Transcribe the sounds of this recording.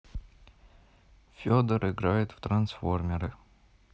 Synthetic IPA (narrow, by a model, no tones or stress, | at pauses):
fʲod̪əɾɨɡɾajɪt̪ft̪ɾɐnsformʲɪɾɨ